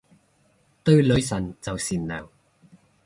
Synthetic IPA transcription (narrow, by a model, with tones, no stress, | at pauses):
t̪ɵ˥˧ɥlɵ˨˧ɥs̬ɐ˨˩nt͡sɐ˨wsiː˨˩nlœː˨˩ŋ